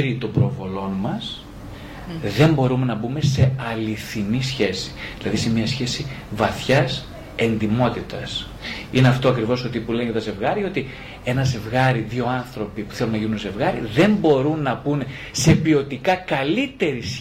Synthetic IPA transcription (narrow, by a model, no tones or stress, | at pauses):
ɾit̪o̞bɾovo̞lo̞nmɐs | ðe̞mbo̞ɾume̞nɐbume̞se̞ɐliθinisçe̞si̥ðilɐðise̞mɲɐsçe̞sivɐθçɐs | e̞nd̪imo̞t̪it̪ɐs | ineɐft̪o̞ɐkɾivo̞sot̪ipulenʝɐt̪ɐze̞vɣɐɾio̞t̪i | e̞nɐze̞vɣɐɾiðio̞ɐnθɾo̞pipu̥θe̞lunɐʝinunze̞vɣɐɾḭðe̞mbo̞ɾunːɐpun | se̞pio̞t̪ikɐkɐlit̪e̞ɾis